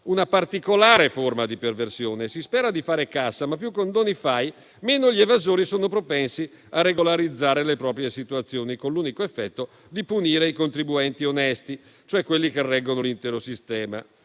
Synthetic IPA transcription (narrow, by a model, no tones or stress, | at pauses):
unapart̪ikolaːɾeformad̪iperversjoːnesispɛːɾad̪ifaːɾekasːamapːjukːond̪onifaj | meːnoʎievazoːɾisoːnopɾopɛnsi | arːeɡolaɾid̪zːaːɾelepɾɔːpɾjesit̪uat̪sːjoːnikonluːnikoefːɛt̪ːo | d̪ipuniːɾeikont̪ɾibuɛnt̪ionɛst̪i | t͡ʃoɛkːwelːikerːɛɡːonolint̪ɛːɾosist̪ɛːma̰